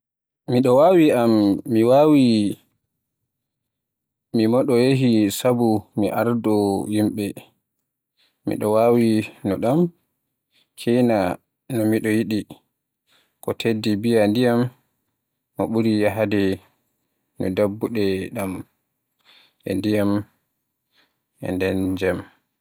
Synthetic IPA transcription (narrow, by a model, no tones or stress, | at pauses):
miɗɔwawiʔamːiwawi | mimɔɗɔjeɦisabumiʔaɾdɔjimɓɛ | mḭɗɔwawinɔɗam | kʰɛjna | nɔmiɗɔjiɗi | kɔtʰedːibijandijamː | ɔɓuɾijaɦadɛ | nɔ̰dabːuɗɛɗam | ʔɛ̰ndijam | ʔɛ̰ndɛnd͡ʒɛm